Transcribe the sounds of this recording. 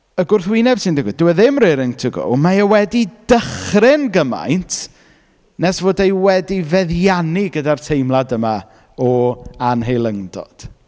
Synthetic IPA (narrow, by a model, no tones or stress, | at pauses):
əɡʊrθwinɛb̥sɪndɪɡwɪdɪwɛðɪmrɪɾɪŋtʰəɡo̰majawɛdid̥əχrɪnɡəma̰jntʰ | nɛsvoːdejwɛdivɛðjanɪɡədartʰejmlˠadəma | ɔanɦejlˠəŋdɔ̰d̥